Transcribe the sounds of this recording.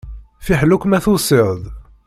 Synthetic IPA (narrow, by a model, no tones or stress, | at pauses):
fiħlukːmæθusɪʁð